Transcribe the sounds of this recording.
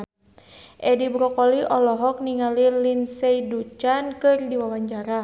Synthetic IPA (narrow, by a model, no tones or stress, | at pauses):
ʔɛdibɾɔkɔliʔɔlɔɦɔk̚niŋalilinsɛjdut͡ʃankɨrdiwawaɲt͡ʃaɾa